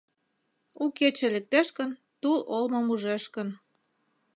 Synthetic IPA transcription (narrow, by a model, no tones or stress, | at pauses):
uket͡ɕĕlĕk̚t̪eʃkə̆n | t̪ulʔolmŏmuʒeʃkən